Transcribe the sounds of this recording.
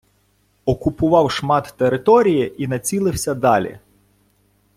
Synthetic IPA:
ɔkʊpʊʋɑwʃmɑt̪ːeɾɪt̪ɔɾʲijiʔinɐt͡sʲilˠɪwsʲɐd̪ɑlʲḭ

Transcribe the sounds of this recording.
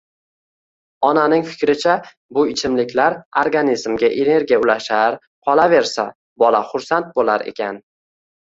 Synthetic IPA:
ɒnanɪŋfɪ̥kʲɾɪt͡ʃʰa | bʊɪt͡ʃʰɪmlɪkʲʰlaɾoɾɡanizmɡʲaʔene̞ɾɡʲijaʊlaʃaɾ | qʰɒlˠave̞ɾsa | bɒlaχʊɾsant̪̚bolaɾe̞̰kʲʰan

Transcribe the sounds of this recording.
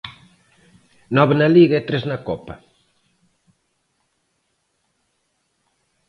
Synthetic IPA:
nɔβenɐliɣɐɛt̪ɾeznɐkɔpɐ

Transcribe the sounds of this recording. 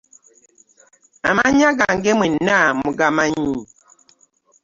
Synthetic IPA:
a̰maɲaɡaŋɡɛmwɛnamuɡamaɲi

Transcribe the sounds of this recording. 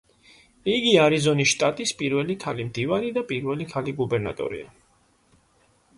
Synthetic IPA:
iɡiaɾizɔnisʃt̪ʼat̪ʼispʼiɾvɛlikʰalimd̪ivanid̪apʼiɾvɛlikʰaliɡubɛɾna̰t̪ʼɔ̰ɾḭa̰

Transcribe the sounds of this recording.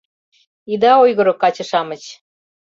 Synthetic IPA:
id̪ɑojɣɤ̆ɾŏkɑt͡ɕɤ̆ʃɑmə̆t͡ɕ

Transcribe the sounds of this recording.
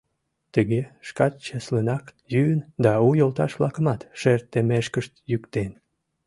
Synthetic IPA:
t̪əɣeʃkɑt̪̚t͡ɕeslenɑkjynd̪ɑujolt̪ɑʃβlɑkə̆mɑt̪ʃert̪ːemeʃkəʃt̪jykt̪en

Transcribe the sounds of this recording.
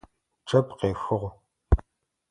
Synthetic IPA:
ʈ͡ʂɐpqeːxɨʁʷ

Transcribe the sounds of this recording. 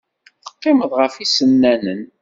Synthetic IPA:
θə̥qːɪməðˤʁəfisənːænən

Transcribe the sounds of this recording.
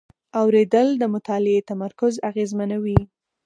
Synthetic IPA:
awɾed̪əld̪əmʊt̪ɑlɪet̪amaɾkʊzaɣezmanawi

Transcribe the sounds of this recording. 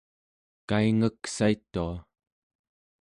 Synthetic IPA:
kaiŋəksait̪ːua

